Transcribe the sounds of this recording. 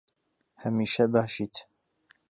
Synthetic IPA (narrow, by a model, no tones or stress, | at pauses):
hɐmiːʃɐbaːʃiːt̪